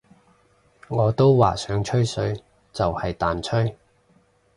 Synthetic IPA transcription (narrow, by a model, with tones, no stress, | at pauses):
ŋɔː˨˧t̪o˥wwaː˨sœː˨˥ŋt͡ʃʰɵ˥ɥsɵ˨˧˥ɥ | t͡sɐ˨whɐ˨jt̪aː˨nt͡ʃʰɵ˥ɥ